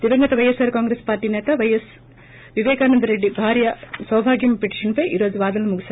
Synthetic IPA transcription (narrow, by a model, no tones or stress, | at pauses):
t̪iʋɐŋɡɐt̪ɐʋɐjesɐːɾkaːŋɡɾespaːɾʈiːnɛːt̪ɐʋɐjɐs | ʋiʋeːkaːnɐnd̪ɐɾeɖːibʱaːɾjɐsɐʋɐbʱaːɡjɐmpeʈi̥ʂɐnpɐjʔḭːɾoːd͡ʒuʋaːd̪ɐlːumuɡis